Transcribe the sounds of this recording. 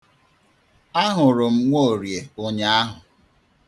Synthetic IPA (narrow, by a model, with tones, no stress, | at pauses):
a˦ɦʊ˨ɾʊ˨m̩˦ŋʷo˦o˨ɾje˨o˦ɲe˦a˦ɦʊ˨